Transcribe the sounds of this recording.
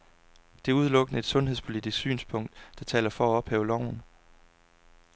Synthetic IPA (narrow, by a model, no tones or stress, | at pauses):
d̥e̝æɐuð̞ˠlɔ̽ɡ̥ənəe̝d̥sɔ̽nɦeð̞̰ˠspʰo̝lid̥isɡ̥sy̰ːnspʰɔ̽ŋ̰d̥ːɑ̈t͡sʰɛ̰ːlɐfɒ̽æɒ̽b̥hɛ̰ːʊlɒʊ̰n̩